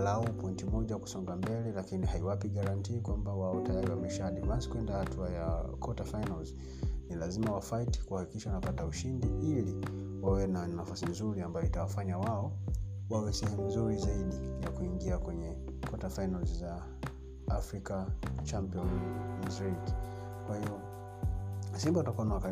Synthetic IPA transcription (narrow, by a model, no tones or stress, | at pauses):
laupɔintimɔʄaku̥sɔŋɡambɛlɛlakinihaiwapiɠaɾantiːkwambawaɔtajaɾiwamɛʃaɗiɓansi̥kuwɛndahatʰuajakʰɔtafajnalz | nilazimawafaiti̥kuhaki̥kiʃawanapatauʃindiili | wawɛnanafasinzuɾiambajɔitawafaɲawaɔ | wawɛsɛhɛmunzuɾizaiɗijakuiŋɡiakwɛɲɛ | kʰɔtafajnalzzaː | fɾikat͡ʃampiɔnzɾiki̥ | kwahiɔ | simbawtakuanawaka